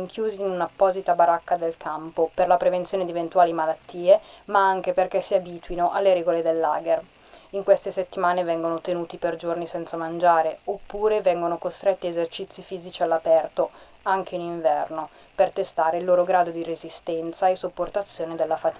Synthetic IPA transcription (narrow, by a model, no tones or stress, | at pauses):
ŋk̟ʰjuːziːnunapːɔːzit̪abaɾakːad̪elkʰampoperlapɾevent̪sjoːned̪ievent̪uaːlimalat̪ːiːemaaŋk̟eperkɛsiabiːt̪winoʔalːeɾɛːɡoled̪elːa̰ːɡer | iŋkwest̪eset̪ːimaːnevɛŋɡonot̪enuːt̪iperd͡ʒornisɛnt̪samand͡ʒaːɾeopːuːɾevɛŋɡonokost̪ɾet̪ːiezert͡ʃit̪sːifiːzit͡ʃialːapɛrt̪o | aŋk̟ʰeiniɱvɛrno | pert̪est̪aːɾeilːoːɾoɡɾaːd̪od̪irezist̪ɛnt̪saesːupːort̪at̪sːjoːned̪elːafat̪i